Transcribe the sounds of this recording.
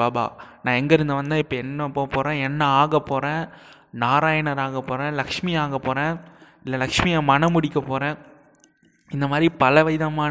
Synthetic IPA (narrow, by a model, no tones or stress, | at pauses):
aːba̰ːnãːɛŋɡɐɪɾɯnd̪ɐʋɐnd̪ãːɪpːɐɛnːɐpːoːpoːɾẽːɛnːɐaːɣɐpːoːɾẽː | naːɾaːjɐɳɐɾaːɣɐpːoːɾẽːlɐkʂmɪjaːɣɐpːoːɾẽː | ɪlːɐlɐkʂmɪjamɐnɐmʊɽɪkːɐpoːɾẽː | ɪnd̪ɐmaːd̪ɾipɐlɐʋɐjɪðɐmaː